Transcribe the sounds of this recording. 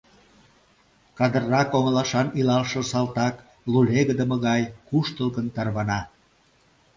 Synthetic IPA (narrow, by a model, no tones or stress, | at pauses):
kɑd̪ərːɑkoŋəlɑʃɑnilɑlʃosɑlt̪ɑk | luleɣəd̪ə̆mə̆ɣɑjkuʃt̪əlˠɣənt̪ɑrβɑnɑ